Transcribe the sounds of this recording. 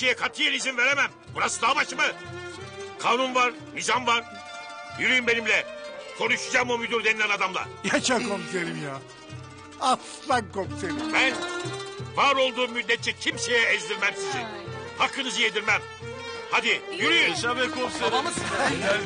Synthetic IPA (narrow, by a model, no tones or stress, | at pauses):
ejɛkʰat̪ʰɯjalʲizinve̞ɾemæm | buɾasɯd̪abaʃmɯ | kʰaːnunvaɾ | nizanvaɾ̥ | jyɾyjymbe̞nimlʲɛkʰo̞nuʃud͡ʒaːmomyd̪uɾd̪ɛnilʲænad̪amlˠa̰jat͡ʃakomseɾimjaː | aslˠankomseɾimbæn | vaːɾo̞lˠd̪uːmːyd̪ːʲɛt̪̚ːɛcʰimse̞jɛːzd̪iɾmæmsizḭnhakːɯnɯzɯjed̪iɾmæm | had̪ijyɾyjymʃabɛkʰosm